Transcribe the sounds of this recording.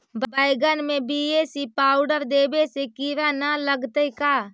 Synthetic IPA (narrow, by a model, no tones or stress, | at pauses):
bbaɪɡənmẽbiesipaːʊɖəɾd̪eːbesekiɾanaləɡt̪eikaː